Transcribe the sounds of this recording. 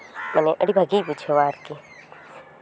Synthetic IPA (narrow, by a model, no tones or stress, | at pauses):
mɛːneʔɐɽibʱaɡiput͡ʃʰoʋaːɾki